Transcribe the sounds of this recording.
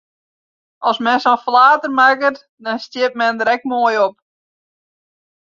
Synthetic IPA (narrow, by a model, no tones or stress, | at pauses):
ɔlˠsmɛnsɔnflaːtərmakət | dɔnstɪp̚mɛndəɾɛk̚moəjop̚